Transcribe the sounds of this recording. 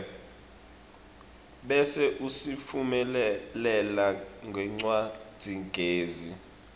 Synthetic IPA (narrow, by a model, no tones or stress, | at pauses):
ɓɛsɛʔusifumɛllɛlaŋɡʱɛŋ͡ǀwad̥d̥ʱiŋɡʱeːzi